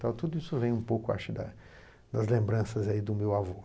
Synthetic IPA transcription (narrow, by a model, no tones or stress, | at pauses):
t̪awt̪ud̪ʊisʊvẽj̃ũpowkʊa̰ʃʊɪd̪ɐ̰ | d̪ɐzlẽmbɾɐ̃sɐzaid̪ʊmewavo